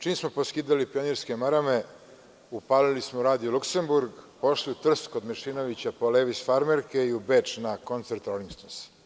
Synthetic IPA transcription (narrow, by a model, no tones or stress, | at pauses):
t͡ʃiːmsmo̞poskiːd̪alipioniɾske̞maɾame | upaːlilismouɾaːd̪ijolukse̞mbuɾɡpo̞ʃliut̪r̩st̪ko̞d̪mɛʃinoʋit͡ɕapo̞leːʋisfaɾmeɾkeiubeːt͡ʂnako̞nt̪seɾt̪olimst̪ons